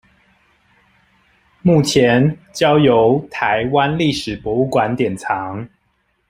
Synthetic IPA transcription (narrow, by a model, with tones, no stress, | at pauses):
mu˥˩t͡ɕʰjɛ˨˦nt͡ɕjɑ˥ʊjo˨˦ʊt̪ʰa˨˧˦ɪwa˦nli˥˩ʂɻ̩˨˩pwɔ˨˦u˥˩kwa˧˦nt̪jɛ˨˩nt͡sʰɑ˨˦ŋ